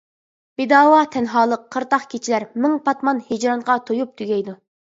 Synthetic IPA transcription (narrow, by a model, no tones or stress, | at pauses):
b̥ed̪ɑːwɑt̪ʰɛnɦɑːlˠəqʰːəɾt̪ɑχkʲʰet͡ʃʰilæɾmɪŋpʰɑt̪mɑnhed͡ʒɾɑŋʁɑt̪ʰojup̚t̪ʰyɡʲɛjd̪u